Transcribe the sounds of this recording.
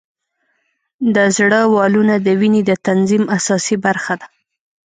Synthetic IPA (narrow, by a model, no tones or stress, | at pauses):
d̪əzɽəwɑlunad̪əwined̪ət̪anzimasɑsibaɾxad̪a